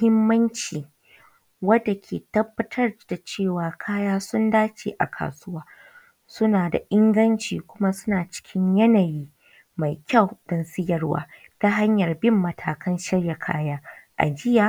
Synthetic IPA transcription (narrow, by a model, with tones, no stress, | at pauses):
hɪ˦mːɐ˦nt͡ʃiː˨ | wɐ˦dːa˨kʲʰḛː˨tɐ˦bːɐ˦tʰɐ˦rd̥a˨t͡ʃeː˦˨waː˨kʰaː˦jaː˦sʊ˦ndaː˦t͡ʃḛː˨ʔa̰˨kʰa̰ː˨sʊ˦waː˦ | sʊ˦naː˨da̰˨ʔɪ˦ŋɡɐ˦nt͡ʃiː˨kʷʊ˦ma˦sʊ˦naː˨t͡ʃɪ̥˦kʲʰɪ˦ɲjɐ˦naː˨jiː˦ | ma˨jkʲa˦˨wdɔ˨nsɪ˦jɐ˦rwa̰ː˦ | taː˦ɦa˦ɲjɐ˨rbɪ˦˨mːɐ˨tʰaː˨kɐ˦nʃɪ˦ɽja˨kʰa̰ː˦jaː˦ʔa̰˨d͡ʒɪ˦jaː˨